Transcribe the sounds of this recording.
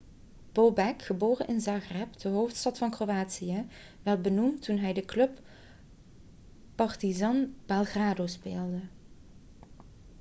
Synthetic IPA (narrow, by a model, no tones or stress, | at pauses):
b̥obɛkχəboːrənʔɪnzɑχrɛpdəɦowftstɑtfɑnkrowaːtsijə | ʋɛrt̚bənumtːunɦɛjdəklɵp | pɑɹtizɑnb̥ɛlˠɣraːdospeːlˠdə